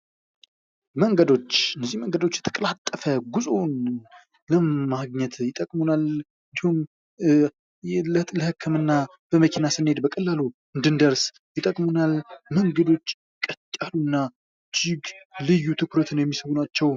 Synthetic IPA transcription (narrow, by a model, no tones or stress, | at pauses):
məŋɡəd̪o̞t͡ʃːɨnːəzːiməŋɡəd̪o̞t͡ʃːjɛt̪ʰə̥kʼəlat̪ʼːəfəɡuzʼon | ləmaɡɲɛt̪jɪt̪ʼəkʼmunal | ɨnd̪ihum | jlət̪ʼləhɨkʰːɨmɨnːa | b̥əməkʰinasɨnːhe̞d̪bəkʼəlːalu | ɨnd̪ɨnd̪əɾs | jɪt̪ʼəkʼmunalməŋɡəd̪o̞t͡ʃː | kʼət̪ʼːalunːa | d͡ʒɪɡlɨjːut̪ʰɨkɾət̪ʰɨnjɛmːisəwunat͡ʃːɛw